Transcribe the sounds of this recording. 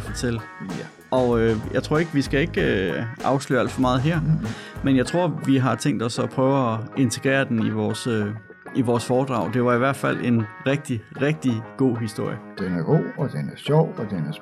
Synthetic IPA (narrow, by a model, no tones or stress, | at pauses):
fɒt͡sʰel̰ | ʔɒ̽øjɑ̈ɪt͡sʰʁo̝ɐ̰e̝ɡ̥ʋisɡ̥æe̝ɡ̥øʔɑ̈ʊslø̰ːæl̰d̥fɒmɑ̈ːð̞̩ˠɦɛɐ̰menjɑ̈ɪt͡sʰʁo̝ɐ̰ʋiɦɑ̈t͡sʰeŋ̰ɡd̥ɒ̽sɒ̽pʰʁœːʊɒe̝nt͡sʰe̝ɡ̥ʁɛ̰ːɐd̥eniʋɒːsø | ʔiʋɒːsfɒːd̥ʁɑ̈ʊd̥e̝ʋɑ̈iʋæɐ̰d̥fæl̰e̝nʁɛɡ̥̚d̥iʁɛɡ̥̚d̥iɡ̥o̝̰ːɦisd̥o̝ɐ̰jəd̥enæɐɡ̥o̝̰ːɒd̥enæɐɕɒʊ̰ɒd̥enæɐ